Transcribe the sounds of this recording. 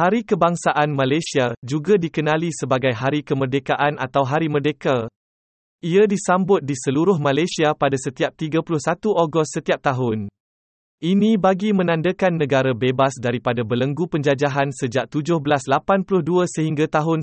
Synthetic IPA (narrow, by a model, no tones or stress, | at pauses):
haɾikəbaŋsaʔanmãlajsiad͡ʒuɡadikənãlisəbaɡajɦaɾikəmərdekaʔana̰t̪awɦaɾimərdeka | iadisambʊt̪̚disəluɾʊhmãlajsiapadasət̪iap̚t̪iɡapulʊhsat̪uʔoɡɔst̪sət̪iap̚t̪aɦʊn | ʔinĩbaɡimə̃nãndəkanːə̃ɡaɾabebasdaɾipadabələŋɡupəɲd͡ʒad͡ʒaɦansəd͡ʒaʔ̚t̪ud͡ʒʊhbəlaslapanpulʊhduasəhiŋɡat̪aɦʊn